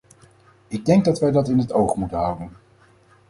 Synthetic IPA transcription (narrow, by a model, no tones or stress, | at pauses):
ɪɡ̚dɛŋɡ̚dɑtʋɛjdɑtɪnɦətowχmutənɦʌwdən